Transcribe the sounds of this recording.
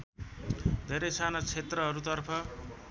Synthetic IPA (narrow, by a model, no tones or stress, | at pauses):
d̪ʱeɾʌjsanʌt͡sʰet̪rʌɦʌɾut̪ʌrpʰʌ